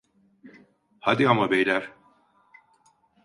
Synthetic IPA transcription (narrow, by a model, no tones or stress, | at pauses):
had̪iamabejlʲæɾ̥